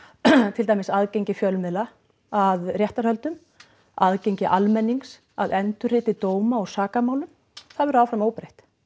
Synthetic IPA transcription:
t̪ʰɪlt̪ajmɪsaðcejɲcɪfjœlmɪðla | aðrjɛht̪aɾhœlt̪ʏm | aðcejɲcɪʔalmɛnːiŋks | a̰ðɛnt̪ʏrɪːt̪ɪt̪oːwmaɔɣsaːkamaːwlʏm | θaðvɛɾawfɾamoːwpɾejht̪

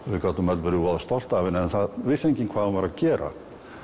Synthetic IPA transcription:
vɪkat̪ʏmɛlvɛɾvɔːðast̪ɔl̥t̪aːvɪnɛnθaðvɪsejɲcɪnkʰv̥aːðavaɾaðcɛːɾa̰

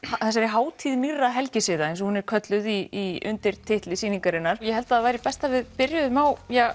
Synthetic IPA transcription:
haθɛs̬aɾɪɦaːwt̪ʰiðmirːaɦɛlcɪsɪðaejns̬ɔhunɛɾkʰœt̪lʏðiːʏ̰nt̪ɪɾ̥t̪ʰɪht̪lɪsiːniŋkaɾɪnːaɾ̥jɛhɛlt̪aaðvajɾipɛst̪avɪðpɪɾjʏðmaːwjaɣ

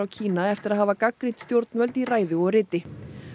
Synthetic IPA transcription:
awcʰiːnaɛft̪ɪɾaðɦaːvakakɾit̪st̪jowɾt̪nvœlt̪iraːjðɪɔɣrɪːt̪ɪ

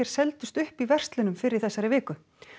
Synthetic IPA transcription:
ɛɾ̥sɛlt̪ʏst̪ʏhpivɛr̥st̪lɪnʏmfɪɾɪɾ̥θɛsːaɾɪvɪːkʏ

